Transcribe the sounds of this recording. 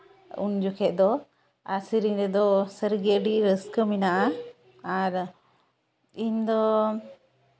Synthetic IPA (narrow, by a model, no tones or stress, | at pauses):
ṵnd͡ʒukʰɛʔd̪ɔ | asiɾiɲɾɛd̪ɔsəɾɡiəɖiʔɾəskəminaʔa | aɾ | iɲd̪ɔ